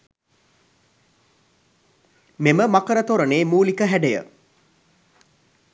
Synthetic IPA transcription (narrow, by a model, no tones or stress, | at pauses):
meməmakəɾət̪oɾəneːmuːlikəɦæɖejə̰